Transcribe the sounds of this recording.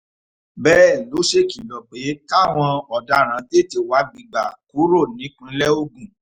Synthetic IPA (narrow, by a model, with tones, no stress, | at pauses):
bɛː˦˨lo˨˦ʃe˦˨ki˨lɔ˨k͡pe˨˦ta˦˨w̃ɔ̃˧ɔ˨da˨˦ɾ̃ã˨˦de˦˨ti˨wa˨˦ɡ͡bĩ˨ɡ͡ba˨ku˨˦ɾo˦˨nĩ˨˦k͡pĩ˦lɛ˦o˦ɡũ˨